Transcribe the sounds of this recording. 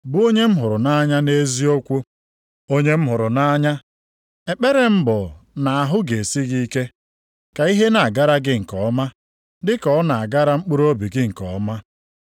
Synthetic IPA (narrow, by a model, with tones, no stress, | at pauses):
bu˦o˦ɲe˦m̩˦ɦʊ˨ɾʊ˨na˦ɲa˦ne˦zi˦o˦kʷo˦ | o˦ɲe˦m̩˦ɦʊ˨ɾʊ˨na˦ɲa˦ | e˨k͡pe˦ɾe˨m̩˦bɔ˨na˨a˨ɦʊ˦ɡe˨si˦ɣi˦ke˦ | ka˨i˦ɦe˦na˨a˨ɡa˦ɾa˦ɡɪ˦ŋ̩˨kɔ˨ɔ˦ma˦ | dɪ˦kɔ˨ɔ˦na˨a˨ɡa˦ɾa˦ŋ͡m̩˦k͡pʊ˦ɾo˦bi˨ɡɪ˦ŋ̩˨kɔ̰˨ɔ˦ma˦